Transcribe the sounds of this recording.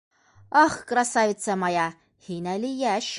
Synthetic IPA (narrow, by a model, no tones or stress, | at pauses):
ɑχkrɾasavʲɪt̪sɑmɑjɑ | hinælijæʃ